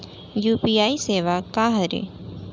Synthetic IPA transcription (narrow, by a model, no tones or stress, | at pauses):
juːpiːaːiseːʋakaːɦəɾḛː